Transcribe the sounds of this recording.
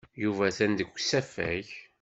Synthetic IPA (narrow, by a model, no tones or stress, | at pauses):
juvæθænd̪əɡʷːsæfæ̰ç